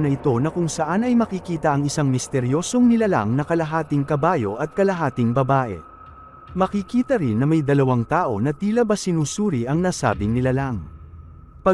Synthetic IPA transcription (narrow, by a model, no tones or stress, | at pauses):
nɐɪt̪o̞nɐkʊŋsɐʔanɐjmɐkikiːt̪ɐʔɐŋɪsaŋmɪst̪ɛɾjo̞ːso̞ŋnɪlala̰ŋnɐkɐlɐɦaːt̪ɪŋkɐbaːjo̞ʔɐt̪̚kɐlɐɦaːt̪ɪŋbɐbaːʔɛ̰ | mɐkikiːt̪ɐɾɪnːɐmɐjd̪ɐlɐwaŋt̪aːʔo̞nɐt̪iːlɐbɐsɪnuːsuːɾiʔɐŋnaːsa̰ːbɪnɪlalaŋ | pɐ